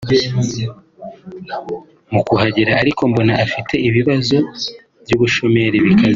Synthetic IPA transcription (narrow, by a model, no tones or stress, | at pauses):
mukuhaɟiɾaːɾikʰo̞mbo̞naʔafitʰe̞iβiβazo̞ | bjuːβuʃo̞me̞ɾeβikaze